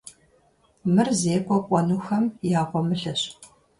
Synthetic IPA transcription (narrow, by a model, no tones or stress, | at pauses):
mɨrzeːkʷʰʼɔkʷʼɔnuxɐmjaːʁʷɔmɨɬɐɕ